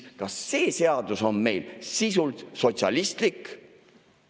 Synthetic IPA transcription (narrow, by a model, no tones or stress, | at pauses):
kɑsːe̞ːse̞ɑd̪̥uso̞nme̞jlsisult̪so̞t̪sʲɑ̰list̪lik